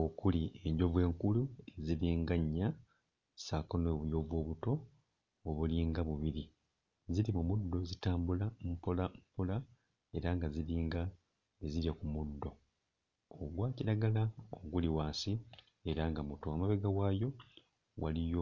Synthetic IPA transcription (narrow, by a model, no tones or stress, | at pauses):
o̞kulie̞ɲɟo̞vwe̞ːŋkulueziliːŋɡaɲːa | sakonoːβujo̞ːvwo̞ːβuto̞ː | βuliːŋɡaβuβiɾi | zilimumudːo̞zitaːmbulampolampola | e̞ɾaŋɡaziliːŋɡa | e̞ziɾjakumudːo̞ | oɡwaːciɾaɡalao̰ɡuliwaːnsi | e̞ɾaŋɡamuto̞amaβeɡawaːjo̞ | wa̰lijo